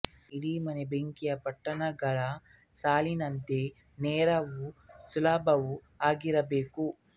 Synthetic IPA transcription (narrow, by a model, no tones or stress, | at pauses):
iɽiːmɐnebeŋkijɐpɐʈːɐnɐɡɐɭɐsaːlinɐnt̪e | nɛːɾɐʋusulaːbʱɐʋu | aːɡiɾɐbeːku